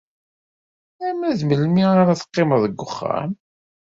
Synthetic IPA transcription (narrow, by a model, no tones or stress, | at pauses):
æmæðməlmiaɾaθə̥qːɪməðˤəɡːʊχːa̰m